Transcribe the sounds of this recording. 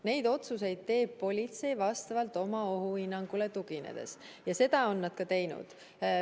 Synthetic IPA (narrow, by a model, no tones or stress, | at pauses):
ne̞jd̪o̞t̪sus̬e̞jd̪̥̚t̪e̞ːb̚pːo̞lʲit̪se̞jvɑst̪ɑvɑlt̪ˑo̞mɑo̞ɦuinːɑŋɡ̥ule̞t̪uɡ̥inḛd̪̥e̞̰s | jɑse̞d̪̥ɑo̞nːɑd̪̥kɑt̪e̞jnṵd̪̥